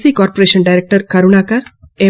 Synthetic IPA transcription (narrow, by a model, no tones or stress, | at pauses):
sikɔːɾpoɾeːʃənɖajɾek̚ʈəɾkɐɾuɳaːkɐɾe